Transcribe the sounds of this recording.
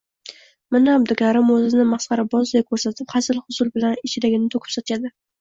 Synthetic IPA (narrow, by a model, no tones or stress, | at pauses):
mɪnaːbd̪ɪkʲaɾɪmɵzɪnɪmɑsqɑɾɪbɒzd̪ajkʰːɵɾsat̪ʰɪpχasɪlˠhʊsʊlbɪlanɪt͡ʃʰɪlɪɡʲɪnɪt̪ʰokʰɪ̥psɒt̪ʰad̪ɪ